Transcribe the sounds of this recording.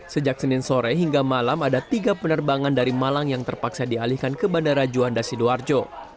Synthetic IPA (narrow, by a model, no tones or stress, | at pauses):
səd͡ʒak̚sənɪnsoɾɛɦiŋɡamalamadat̪iɡapənərbaŋandaɾimalaŋjaŋt̪ərpaksadialihkankəbandaɾad͡ʒuandasiduard͡ʒo